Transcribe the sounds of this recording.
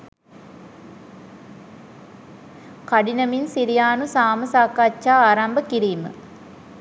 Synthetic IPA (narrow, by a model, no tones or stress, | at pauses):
kaɖinəminsiɾijaːnusaːməsaːkat͡ʃːaːaːɾambəkiɾiːmə̰